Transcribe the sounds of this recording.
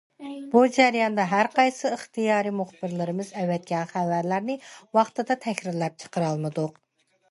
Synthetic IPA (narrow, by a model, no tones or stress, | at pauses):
b̥ud͡ʒæɾjɑnd̪ɑɦæɾqɑjsɨəχt̪ijɑːɾimuχb̥ɪɾlɪɾɪmɨzɛwɛt̪̚kʲɛnχævæɾlæɾnɪwɑχt̪ɨd̪ɑt̪ʰɛkʲɾɪɾlɛp̚t͡ʃʰə̥qəɾɑlˠmɨd̪ʊq